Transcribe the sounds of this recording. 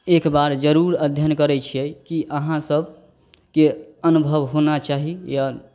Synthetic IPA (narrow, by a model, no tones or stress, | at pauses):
ekbaɾd͡ʒəɾuɾəd̪ʱjənkəɾɛt͡ʃʰiɛkiʔəɦãsəb | keənubʱəʋɦonat͡ʃaɦija